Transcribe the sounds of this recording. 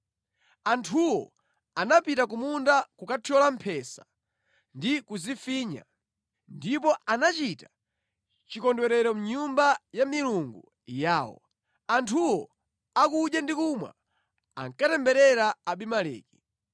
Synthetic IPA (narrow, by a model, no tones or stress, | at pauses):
antʰuwɔ̰ | anapitakumundakukatʰjɔlam̩pʰɛsḁ | ndikuzifiɲa̰ | ndip̬ɔʔanat͡ʃita | t͡ʃikɔndwɛɾɛɾɔm̩ɲumbajamiluŋɡu | jaːwɔ̰ | antʰuwɔ | akuʄjandikumwa̰ | a̰ŋkatɛmbɛɾɛɾaːɓimalɛ̰ːki̥